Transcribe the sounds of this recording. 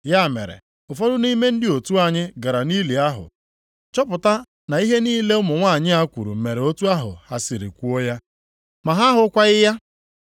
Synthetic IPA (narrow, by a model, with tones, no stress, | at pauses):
ja˦˨mḛ˨ɾḛ˨ | ʊ˨fɔ˦dʊ˦ni˦me˦n̩˦dɪ˦o˨tu˦a˨ɲɪ˦ɡa˨ɾa˨niː˦li˨a˦ɦʊ̰˨ | t͡ʃɔ˦pʊ˨ta˦ | na˨i˦ɦe˦niː˦le˦ʊ˦mʊ˨ŋʷa˦˨ɲɪ˦a˦kʷṵ˨ɾṵ˨m̩˨me˨ɾe˨o˦tu˦a˦ɦʊ̰˨ha˨si˨ɾḭ˨kʷu˦o˦ja˦ | ma˨ɦa˦ɦʊ˦kʷa˦ɣɪ˦ja˦